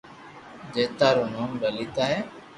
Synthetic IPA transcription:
d͡ʒeːt̪aːɾoːnoːmɾəliːt̪aːɦɛː

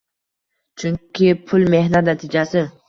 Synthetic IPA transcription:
t͡ʃʰʊŋkʲʰɪpʰʊlme̞hnat̪nat̪ʰɪd͡ʒasɪ

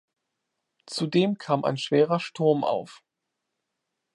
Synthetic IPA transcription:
t͡sudeːmkʰaːmʔa̰ɪnʃv̥eːʁ̞ɐʃtʰʊɐmʔa̰ʊf

